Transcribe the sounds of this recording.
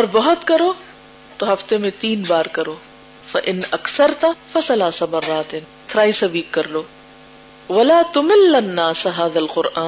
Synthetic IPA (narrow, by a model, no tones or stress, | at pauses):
ɔɾbɐɦʊt̪kɐɾoː | t̪oɦɐft̪emẽt̪iːnbaːɾkɐɾoː | fɐʔɪnɐksɐɾt̪ɐfɐsɐlaːsɐmɐrːaːt̪et̪ʰɾaːisɐbiːkːɐɾloː | ʋɐlaːt̪ʊmɪlːɐnːaːsɦaːðɐlqʊɾʔaː